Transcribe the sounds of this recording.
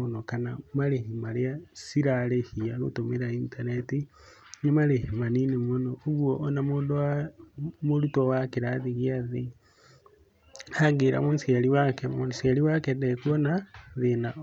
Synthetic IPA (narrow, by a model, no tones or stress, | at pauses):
onokanamaɾeɦimaɾjasiɾalehiaɣo̰tomeɾaintaneti | nimaɾehimaninemonoːɣwoʔːnamoda | moɾutowakeɾaðiɣiaði | aɡeɾa̰monsjeliwakemonsjaɾiwakedekwonaðena